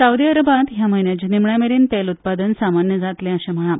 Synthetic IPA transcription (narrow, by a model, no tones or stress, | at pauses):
sawd̪iəɾəbat̪ɦjaməinjat͡ɕinimɳjameɾiːnt̪elut̪̚pad̪ənsamanjəd͡zat̪lɛ̃əɕẽm̤əɭ̃a